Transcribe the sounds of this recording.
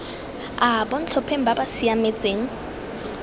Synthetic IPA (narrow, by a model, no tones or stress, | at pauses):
abon̩t͡ɬʰɔpʰeŋ̩babasiamet͡sʼeːŋ̩